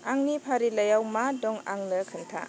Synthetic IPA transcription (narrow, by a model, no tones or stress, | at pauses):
aŋnipʰaɾilajawmadɔŋa̰ŋləkʰɯntʰa̰